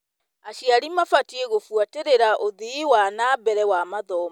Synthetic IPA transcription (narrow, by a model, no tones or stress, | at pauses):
aɕjaɾimafatieɣofwateɾeɾaʔoðiːwanaːbɛɾɛwamaðɔːma